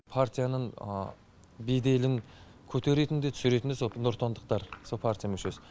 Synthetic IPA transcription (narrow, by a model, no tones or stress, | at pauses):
pʰart̪ʲijanəɴ̰ | bejd̪e̞lɪŋ | kʲʰɵt̪ʰe̞ɾe̞t̪ɪnd̪e̞t̪ʰʏ̥sɪɾe̞t̪ɪnd̪esonoɾt̪ʰo̞nd̪əq̚t̪ɑɾsopʰart̪ʲijamʏʃe̞sɪ̥